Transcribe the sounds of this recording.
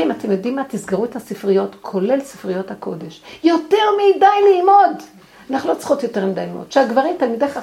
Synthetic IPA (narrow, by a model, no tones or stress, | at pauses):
imat̪emjodimat̪isɡaʁuthasifʁijo̞tkʰo̞le̞lsi̥fʁijo̞thako̞de̞ʃjo̞te̞ʁmidajliːmo̞d | anaχnulo̞t͡sχotjo̞te̞ʁmid̪ajlimo̰d̥̪ʃeaɡvaʁimt̪almideχa